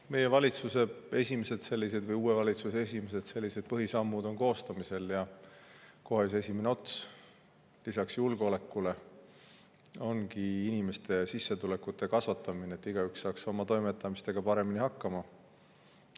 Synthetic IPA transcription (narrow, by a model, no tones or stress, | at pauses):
me̞je̞vɑlʲit̪suse̞e̞sʲimese̞d̪̥se̞lʲːis̬e̞d̪vɤjuːevɑlʲit̪suseesʲimes̬e̞d̪̥se̞lʲːise̞d̪̥̚pɤɦisɑmːud̪̥o̞nko̞ːst̪ɑmise̞ljɑ | ko̞ɦeyse̞sʲimeneo̞t̪ːs | lisɑksjulɡole̞kːˑule̞ | o̞nkiinime̞st̪ʰe̞sisːet̪ule̞kːˑut̪ˑːe̞kɑsvɑt̪ːˑɑmineeːt̪ːiɡ̥ɑyksːɑːkso̞mɑt̪o̞jme̞t̪ːˑɑmist̪e̞ɡ̥ɑpɑɾe̞minihɑkːɑmɑ